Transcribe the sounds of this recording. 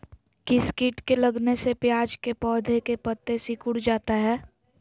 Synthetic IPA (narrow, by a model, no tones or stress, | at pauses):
kiskiːʈkelɐɡnesepjaːd͡ʒkepɔːd̪ʱekepət̪ːesikʊɽd͡ʒaːt̪aɦɛː